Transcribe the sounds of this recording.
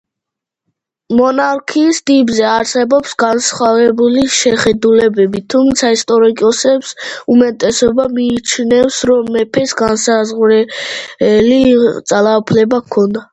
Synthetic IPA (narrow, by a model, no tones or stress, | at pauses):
mɔnaɾkʰiːsd̪ibzɛaɾsɛbɔpsɡansχavɛbuliʃɛχɛd̪ulɛbɛbit̪ʰumt̪sʰaist̪ʼɔɾikʼɔsɛpsumɛt̪ʼɛsɔbamiːt͡ʃʰnɛfsɾɔmːɛpʰɛsɡansazʁɾɛ | lit̪sʼalˠaupʰlɛbakʰɔnd̪a